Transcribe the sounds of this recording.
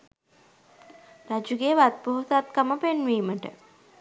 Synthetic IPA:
ɾad͡ʒuɡeːʋat̪̚boɦut̪at̪kəməpenʋiːməʈə̰

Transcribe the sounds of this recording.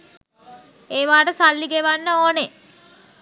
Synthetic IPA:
eːʋaːʈəsalːiɡeʋanːəoːne

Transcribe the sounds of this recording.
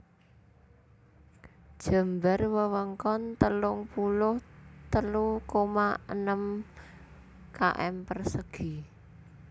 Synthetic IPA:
d̥ʒ̥ə̤mbərwəwəŋkɔnt̪əlʊŋpulʊht̪əlukomaə̰nəm | ka̰ʔɛ̰mpərsəɡ̥i

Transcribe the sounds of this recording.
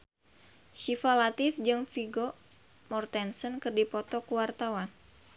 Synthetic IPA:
ʃifalat̪ɪfd͡ʒɨŋfiɡo | mɔrt̪ɛnsənkɨrdipɔt̪ɔkuwart̪awan

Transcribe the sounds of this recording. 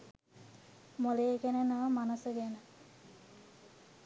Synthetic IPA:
molejːɡænənəʋəmanəsəɡænə

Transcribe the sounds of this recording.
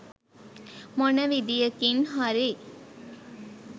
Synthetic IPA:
mɔnəʋid̪ijəkinɦɐɾi

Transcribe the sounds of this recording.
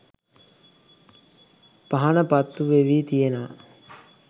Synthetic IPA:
paɦanəpat̪ːuʋeʋiːt̪ijenəʋa̰

